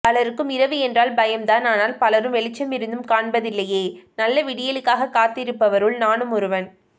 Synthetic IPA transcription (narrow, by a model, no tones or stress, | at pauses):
pɐlɐɾɯkːɯmɪɾɐʋɯɛndraːlbɐjɐmd̪aːnaːnaːlpɐlɐɾɯmʋɛɭɪt͡ʃːɐmɪɾɯnd̪ɯmkaːɳbɐðɪlːɐjeːnɐlːɐʋɪɽɪjɐlɯkːaːɣɐkːaːt̪ːɪɾɯpːɐʋɐɾɯɭnaːnɯmʊɾɯʋɐn